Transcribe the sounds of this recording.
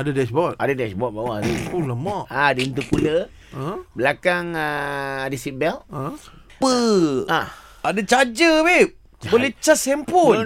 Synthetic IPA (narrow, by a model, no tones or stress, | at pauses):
adədɛsbɔt̪a̰dədɛsbɔt̪̚bawat̪upuləmɔadəint̪̬upulə | bəlakaŋədisibɛl | pəa | adət͡ʃad͡ʒəbe | bolɛt͡ʃasɛmpu